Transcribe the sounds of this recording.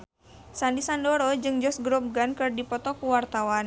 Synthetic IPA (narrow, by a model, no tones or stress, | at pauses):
sandisandɔɾɔd͡ʒɨŋd͡ʒɔsɡɾɔp̚ɡankɨrdipɔt̪ɔkuwart̪awan